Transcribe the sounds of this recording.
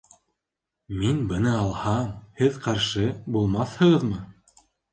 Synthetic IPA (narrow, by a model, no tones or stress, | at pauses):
minbɤ̆nɤɑlˠhɑmhɘðqɑɾʃɤbulˠmɑθhɤ̆ʁɤðmɤ